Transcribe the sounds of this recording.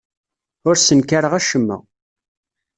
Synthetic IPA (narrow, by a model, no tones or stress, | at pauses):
ʊɾsənkaɾəʁæʃəmːə̰ʁ